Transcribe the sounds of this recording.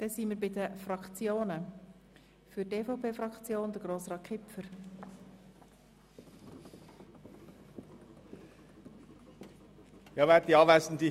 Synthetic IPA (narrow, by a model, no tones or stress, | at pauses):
d̥ɛsiːmɪɾbɪd̪əfrɑkt͡sjoːnə | fʏteːfoʊpʰeːfɾɑkt͡sjoːnd̥̪əɡ̥ɾoːsʁɑːt̚kʰɪpfəɾ | jɑːʋɛtt̪iɑːvaɪsn̩d̪i